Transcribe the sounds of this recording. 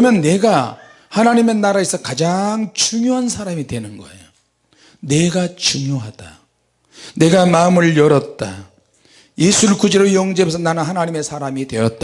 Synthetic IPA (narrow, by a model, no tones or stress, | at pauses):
ʌmjʌnːe̞ɡa | hanaɲime̞naɾais͈ʌkad͡ʑaŋt͡ɕuŋjoɦansʰaɾamidwe̞nɯnɡʌ̰ejo | ne̞ɡat͡ɕuŋjoɦad̥a | ne̞ɡamaɯmɯɭjʌɾʌt̚t͈a̰ | je̞sʰuɭkud͡ʑeɾojʌŋd͡ʑebos̬ʰʌnanɯnhanaɲime̞sʰaɾamidwe̞jʌt̚t͈a